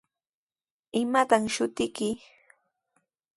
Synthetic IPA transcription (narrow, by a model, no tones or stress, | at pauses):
ɪmat̪aŋʃʊt̪ɪkɪ